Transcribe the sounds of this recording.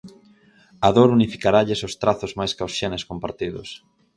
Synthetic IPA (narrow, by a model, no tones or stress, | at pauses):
aðoɾunifikaɾaʎɪsʊst̪ɾaθʊzmajskawsʃeneskompaɾt̪iðʊ̰s